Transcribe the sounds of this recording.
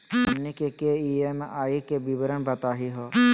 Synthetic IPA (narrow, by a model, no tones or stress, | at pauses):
ɔnːikekeiemaikebibəɾəɳbat̪aɦiɦɔ